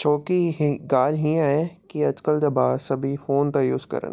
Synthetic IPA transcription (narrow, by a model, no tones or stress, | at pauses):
t͡ʃʰoːkiɦɡaːlɦĩãːɦɛkiɐd͡ʒkəld͡ʒɐbaːɾsɐbʱifoːnt̪ɐjʊskɐ̰ɾə̰̃n